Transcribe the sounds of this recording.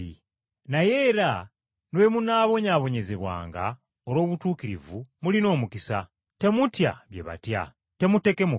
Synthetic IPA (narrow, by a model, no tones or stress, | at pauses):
ḭ | naje̞ːɾa | nwe̞munaːβo̞ɲaːβo̞ɲe̞ze̞βwa̰ːŋɡa̰ | oɾo̞ːβutuːkiɾḭvumulino̞ːmukisa | te̞mutja̰βjḛβa̰tja̰ | te̞mute̞ke̞mu